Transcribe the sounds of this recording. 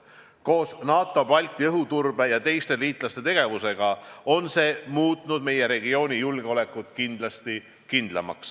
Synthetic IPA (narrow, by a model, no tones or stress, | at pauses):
ko̞ːsnɑːt̪ːˑo̞pɑlʲt̪ʲːˑiɤɦut̪urb̥e̞jɑt̪e̞jst̪e̞liːt̪ˑlɑst̪e̞t̪e̞ɡ̥e̞vuse̞ɡ̥ɑo̞nse̞ːmuːt̪ːˑnud̪̥me̞je̞ɾe̞ɡio̞ːnʲijulɡ̥eo̞le̞kːˑut̪ˑkind̪̥lɑst̪i | kind̪̥lɑ̰mɑ̰ks